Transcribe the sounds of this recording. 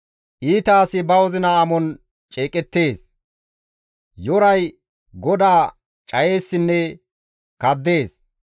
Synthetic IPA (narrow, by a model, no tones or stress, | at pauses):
ʔiːt̪aːsɪbɐwɔzɪnɐɐmɔn | t͡ʃʼeːkʼɛt̪ːe̞ːs | jɔɾɐj | ɡɔd̪aː | t͡ʃʼɐje̞ːsːɪnːɛ | kɐd̪ːe̞ːs